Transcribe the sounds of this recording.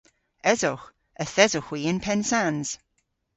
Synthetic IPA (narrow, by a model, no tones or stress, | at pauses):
ɛzɔx | əθɛzʊxwiːənpʰɛnsanz̥